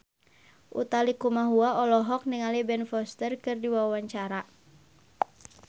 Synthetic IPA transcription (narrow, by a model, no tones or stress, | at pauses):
ʔṵt̪alikumaɦuaɔlɔɦɔk̚niŋalibɛnfɔst̪ərkɨrdiwawawaɲt͡ʃaɾa